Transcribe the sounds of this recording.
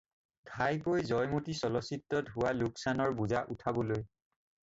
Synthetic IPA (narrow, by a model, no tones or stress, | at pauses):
dʱajkojzɔjmotisɔlɔsitːɔtɦʊwaluksanɔɹbuzaʔutʰabɔloj